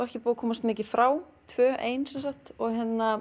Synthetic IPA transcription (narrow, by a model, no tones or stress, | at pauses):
ɛhcɪpuːðkʰɔːmast̪mɪːcɪ̥fɾaːw | t̪ʰvœːʔeːjnsɛnsakt̪ɔɣɦɛnːa